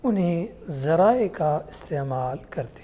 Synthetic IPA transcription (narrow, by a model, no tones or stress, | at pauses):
ʊnɦẽ | zɐɾaːekaɪst̪eːmaːlkɐɾt̪e̥